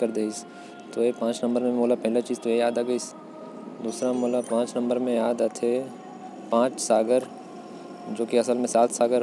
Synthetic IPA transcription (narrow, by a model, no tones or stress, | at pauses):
kəɾd̪eːis | t̪oepãːt͡ʃnɐ̃mbəɾmẽmoːlapɐɦlat͡ʃiːzt̪oejaːd̪aːɡəis | d̪uːsɾamoːlapãːt͡ʃnɐ̃mbəɾmẽjaːd̪at̪ʰe | pãːt͡ʃsaːɡəɾ | d͡ʒoːkiɐsəlmẽsaːt̪ʰsaːɡəɾ